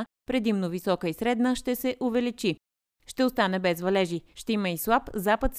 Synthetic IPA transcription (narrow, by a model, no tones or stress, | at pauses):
pɾɛd̪imnovisɔkəisɾɛd̪nəʃt̪ɛsɛʔʊvɛlit͡ʃi | ʃt̪ɛost̪anɛbɛzvɐlɛʒiʃt̪ɛiməislˠapzapət̪s